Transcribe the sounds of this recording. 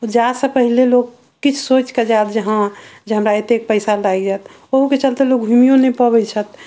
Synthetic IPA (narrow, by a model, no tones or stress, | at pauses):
od͡ʒasəpəɦileloɡ | kːit͡ʃʰsot͡ʃked͡ʒat̪d͡ʒəɦãd͡ʒeɦəmɾaet̪ek̚pəɪsaldajkd͡ʒat̪ʰ | oɦuket͡ʃəlt̪elok̚bʱumijõnepəbəjt͡ʃʰət̪̚